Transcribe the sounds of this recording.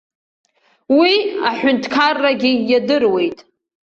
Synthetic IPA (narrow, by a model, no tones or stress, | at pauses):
wiaħʷᶣʊntʰkʰarːaɡʲijadɨrwe̞jtʼ